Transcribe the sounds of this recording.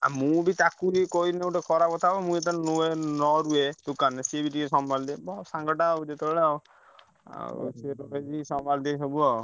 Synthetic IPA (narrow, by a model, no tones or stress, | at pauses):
a̰mũbit̪akuɾikoinewʈekʰɔɾakɔt̪ʰabɔmũet̪annuenɔɾued̪ukanesebiʈikesɔmbald̪ibɔsaŋɡɔʈaɔd͡ʒet̪ebeɭe | a̰seɾɔɾed͡ʒisɔmbald̪esɔbuɔ